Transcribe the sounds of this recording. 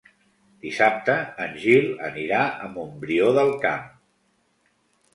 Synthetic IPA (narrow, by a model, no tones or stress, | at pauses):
d̪̥isap̚t̪əːnʲʒilˠə̰niɾaəmumbɾioðəlˠkam